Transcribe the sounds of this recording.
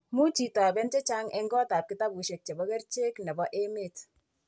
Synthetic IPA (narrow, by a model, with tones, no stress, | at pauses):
mu˦t͡ʃi˨ta˨bɛ˦nt͡ʃɛ˦t͡ʃa˦ŋʔɛ˦ŋɡɔ˦ta˨p̚kɪ˦ta˦bu˨ʃe˨k̚t͡ʃɛ˨bɔ˦kɛ˦rt͡ʃe˦knɛ˨bɔ˦ʔe˦me˨t